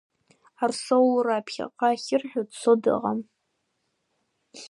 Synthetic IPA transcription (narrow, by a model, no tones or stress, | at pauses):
arsowlraːpʰχʲa̰qʼaχʲɪrħᶣʊdt͡sʰodɨ̰ʁam